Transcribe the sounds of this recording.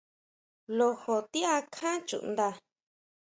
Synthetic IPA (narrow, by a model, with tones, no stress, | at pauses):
lo˧ho˨t̪i˦a˧kʰã˦t͡ʃṵ˨ʔnd̪a˧